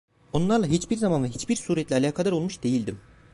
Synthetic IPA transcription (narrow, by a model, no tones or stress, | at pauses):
o̞nlˠaɾlˠaɦit͡ʃbiɾzamanˠaɦit͡ʃbiɾsuːɾɛt̪lʲialʲaːkʰad̪aɾo̞lˠmuʃd̪e̞jilʲd̪im